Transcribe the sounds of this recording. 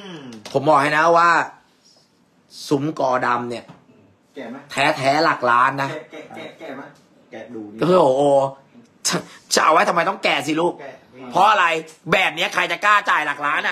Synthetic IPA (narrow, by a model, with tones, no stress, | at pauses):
pʰo˩˦mbɔː˨˩k̚a˥˩jna˦˥waː˥˩ | su˨˩˦mkɔː˧˩da˧mni˥˩ɐ | t̪ʰɛː˦˥t̪ʰɛː˦˥laː˨˩k̚laː˦˥nːa˦˥ | o˧˩ʔoː˧ | t͡ɕʰt͡ɕʰa̰˧˩˧wa˦˥t̪ʰa˧ma˧jt̪ɔ˥˩ŋkɛː˨˩s̬i˨˩luː˦˥˩p̚ | pʰɔ˦˥ʔa˧ɾa˧jbɛː˨˩p̚ni˦˥ɐkʰa˧jt͡ɕa˨˩kaː˥˩t͡ɕaː˨˩jlaː˨˩k̚laː˦˥nʔa˧˩